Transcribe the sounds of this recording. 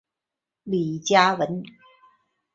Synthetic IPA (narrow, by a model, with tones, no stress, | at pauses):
li˨˩t͡ɕja˧wə˨˦n